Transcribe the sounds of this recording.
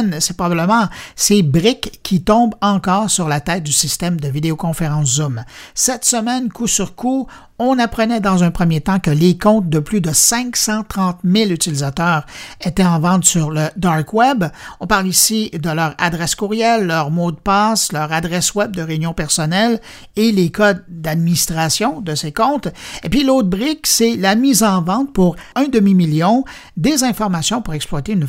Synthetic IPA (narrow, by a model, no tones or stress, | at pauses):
nsɛpʁɔbabləmɑ̃sebʁɪkʲʰːit̪ɔ̃bɑ̃kɔːʁsyʁlat̪ɛːt̪̚d̪ysist̪ɛmd̪əvid̪eokɔ̃feʁɑ̃szumsɛt̪səmɛnkʰusyʁkʰu | ɔ̃napχənɛd̪ɑ̃zœ̃pχəmjet̪ɑ̃kəlekɔ̃t̪̚d̪əplyd̪əsɛ̃ksɑ̃t̪χɑ̃t̪mɪlyt̪ilizat̪œːʁet̪ɛɑ̃vɑ̃t̪syʁləd̪ɑʁkwɛbɔ̃paʁlisid̪əlœːʁa̰d̪ʁɛskuʁjɛlːœːʁmod̪əpaslœːʁad̪ʁɛswɛb̚d̪əʁeynjɔ̃pɛʁsɔnɛl | elekɔd̪d̪ad̪̚minist̪ʁasjɔ̃d̪əsekɔ̃t̪epɥilot̪̚bʁɪkselamizɑ̃vɑ̃t̪̚puʁɛ̃d̪əmimiljɔ̃ | d̪ezɛ̃fɔʁmasjɔ̃puʁɛksplwat̪eyn